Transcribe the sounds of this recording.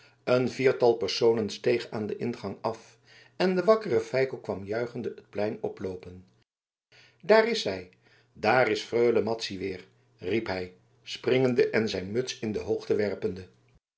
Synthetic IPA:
ənviːɹtɑlˠpəɹsownənstejχaːndəʔɪnχɑŋɑf | ɛndəʋɑkərəfɛjkəkʋɑmjœɥχəndəət̚plɛjnɔ̰plowpən | daːrɪsɦɛj | daːrɪsfrøɥləmɑtsiʋɪːɹ | ripɦɛj | sprɪŋəndəʔɛnzɛjnmɵtsɪndəɦowχtəʋɛɹpəndə

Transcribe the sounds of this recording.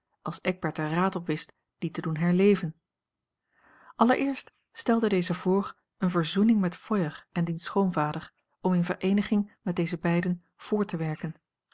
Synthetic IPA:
ɑlˠsɛɡ̚bɛɹtəraːtɔpʋɪst | d̥itədunɦɛɹlejvən | ʔɑləɹʔɪːɹst | stɛlˠdədejzəvʊːɹ | ənvəɹzunɪŋmɛtfɔjəχɛndinsχowmvaːdəɹ | ɔmɪnvəɹʔejnəχɪŋmɛt̚dejzəbɛjdən | v̥ʊːɹtəʋɛɹkən

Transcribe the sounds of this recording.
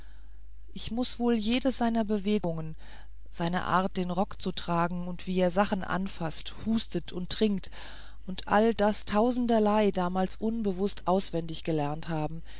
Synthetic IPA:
ʔɪçmʊsv̥oːljeːdəsz̥aɪnɐbəveːɡʊŋən | z̥aɪnə̰ʔa̰ːɐt̚d̥eːnʁɔkt͡sutʁ̥aːɡŋ̩ʊntv̥iːeːɐzaχn̩ʔa̰nfasthuːstətʰʊntːʁ̥ɪŋk̚t | ʔʊntʔa̰ldastʰaʊzn̩dɐlaɪdaːmaːlsʔʊnbəvʊstʔaʊsv̥ɛndɪçɡ̥əlɛɐnthaːbm̩

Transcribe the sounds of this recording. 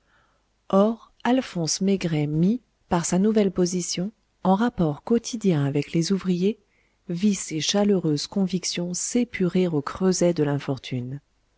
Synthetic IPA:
ɔʁ | alfɔ̃smeɡʁɛmi | paʁsanuvɛlpozisjɔ̃ | ɑ̃ʁapɔʁkɔt̪ʰid̪jɛ̃avɛklezuvʁije | viseʃaløʁøzkɔ̃viksjɔ̃sepʰyʁeʁokχøzɛd̪əlɛ̃fɔʁt̪ʰyn

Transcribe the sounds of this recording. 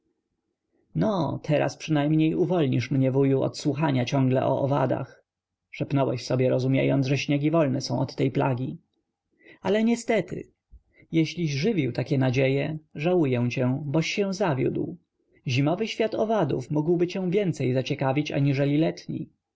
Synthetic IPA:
nɔt̪ʰɛɾa̰spʂɘnajmɲejuvɔlɲiʂmɲɛvujuɔ̰t̪swuxaɲat͡ɕɔ̃ŋɡlɛʔɔ̰ʔɔva̰d̪a̰x | ʂɛpnɔwɛɕsɔbʲjɛɾɔzumʲjḛjɔnʐɛɕɲɛɡʲivɔlnɛsɔ̃w̃ɔt̪ːɛjpla̰ɡʲi | alɛɲɛst̪ɛt̪ɪ̰ | jɛɕlʲiɕʐɘvʲiwt̪akʲɛnad͡ʑejɛʐawujɛw̃t͡ɕɛ̃bɔɕːɛ̃w̃zavʲjṵd̪w | ʑimɔvɘɕfʲjat̪ɔvad̪ṵfmuɡwbɘt͡ɕɛ̃w̃vʲjɛnt̪sɛjzat͡ɕɛkavʲit͡ɕa̰ɲiʐɛlʲilɛt̪ɲḭ

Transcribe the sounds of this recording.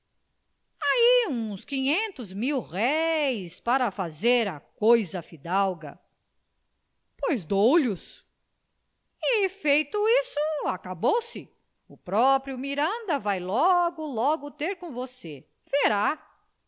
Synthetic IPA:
aiũskĩɲẽnt̪ʊzmiwʁɛjspaɾɐfazeɾɐkojzɐfid̪awɡɐ̰ | pojzd̪owʎʊs | ɪfejt̪ʊisʊakabowsɪ | ʊpɾɔpɾjʊmiɾɐ̃nd̪ɐvajlɔɡʊlɔɡʊt̪eɾkõvose | feɾa

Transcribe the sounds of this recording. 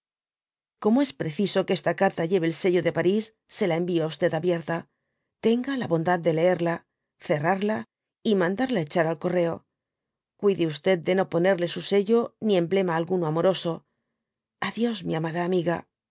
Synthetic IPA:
ko̞moe̞spɾe̞θiso̞kest̪akaɾt̪aʝe̞βe̞lse̞ʝoðe̞paɾisːe̞lae̞mbioaust̪e̞ðaβje̞ɾt̪a | t̪e̞ŋɡalaβo̞nd̪að̚d̪ːe̞lee̞ɾla | θe̞raɾla | imãnd̪aɾlae̞t͡ʃaɾalko̞re̞o̞ | kwiðeust̪e̞d̪̚d̪e̞no̞po̞ne̞ɾle̞suse̞ʝo̞nie̞mble̞maːlɣunoamo̞ɾo̞so̞ | aðjo̞zmiamaðaːmiɣa

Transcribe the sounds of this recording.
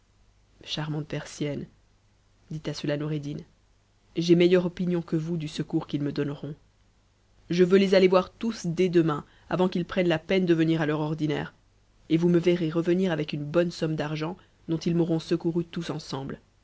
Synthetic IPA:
ʃaʁmɑ̃t̪̚pɛʁsjɛn | d̪it̪asəlanɔʁed̪in | ʒemejœʁɔpinjɔ̃kəvud̪ysəkuʁkilməd̪ɔnʁɔ̃ | ʒəvølezalevwaʁt̪usd̪ɛd̪əmɛ̃ | a̰vɑ̃kilpχɛnlapɛnd̪əvəniʁalœʁɔʁd̪inɛ̰ʁ | evuməvɛʁeʁəvəniʁavɛkynbɔnsɔmd̪aʁʒɑ̃ | d̪̥ɔ̃t̪ilmɔʁɔ̃səkuʁyt̪usɑ̃sɑ̃bl

